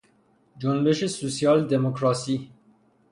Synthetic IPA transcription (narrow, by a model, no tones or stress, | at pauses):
d͡ʒonbe̞ʃe̞sosijɒːld̪emokʰɾɒːsiː